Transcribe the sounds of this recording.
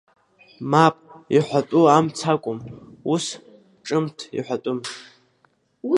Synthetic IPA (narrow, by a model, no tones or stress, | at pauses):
mapʼiħʷatʼuamt͡sʰakʷʼʊmus | ʈ͡ʂʼɨmtʰḭħʷatʼʊm